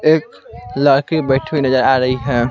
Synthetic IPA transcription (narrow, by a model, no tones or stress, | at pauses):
ek | ləɾkebəɪʈʰinəd͡ʒəɾaɾəɦiɦɛ